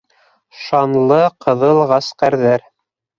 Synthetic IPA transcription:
ʃɑnlˠɤqʰɤ̆ðɤlˠʁɑsqæɾðæɾ

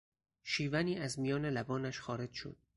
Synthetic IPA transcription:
ʃiːvæniːæzmijɒːne̞læbɒːnæʃxɒːɾe̞d͡ʒʃo̰d̪̚

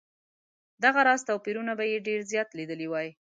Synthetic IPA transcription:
d̪aɣaɾɑzt̪ɑwpiɾunabajeɖeɾzjɑt̪lid̪əliwɑji

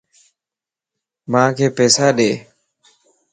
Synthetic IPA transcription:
mãːkʰeːpɛːsaːɗeː

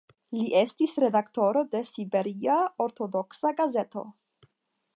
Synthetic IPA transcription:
liʔe̞stisɾe̞dakto̞ɾo̞de̞sibe̞ɾiaoɾto̞do̞ksaɡaze̞to̞̰

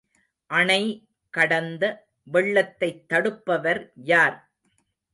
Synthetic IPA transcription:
ʔɐɳɐɪ | kɐɽɐnd̪ɐ | ʋɛɭːɐt̪ːɐɪt̪ːɐɽɯpːɐʋɐɾjaːɾ

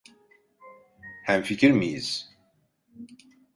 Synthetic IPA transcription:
hæmficʰiɾmijḭz̥

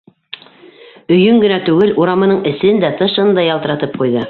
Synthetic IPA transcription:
ɵ̆jɵŋɡɘ̆næt̪ʉɡɘlʔuɾɑmɤ̆nɤɴɘ̆sɘnd̪æt̪ɤʃɤ̆nd̪ɑjɑlˠt̪ɤ̆ɾɑt̪ɤp̚qujðɤ

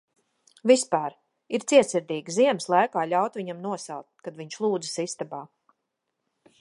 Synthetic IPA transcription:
vispaːɾ | iɾt̪siɛt̪siɾd̪ʲiːɡziɛmslˠajkaːʎʲawt̪viɲamnuɔsa̰lˠt̪kad̪viɲʃlˠuːd̪zɨsist̪abaː

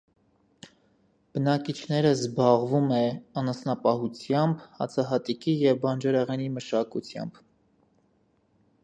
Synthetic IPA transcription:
b̥ənɑkit͡ʃʰnɛɾəzbɑʁvumɛɑnəsnɑpɑhut͡sʰjɑmbhɑ̰t͡sʰɑɦɑt̪ikijɛvbɑnd͡ʒɛɾɛʁɛniməʃɑkut͡sʰjɑ̰mb

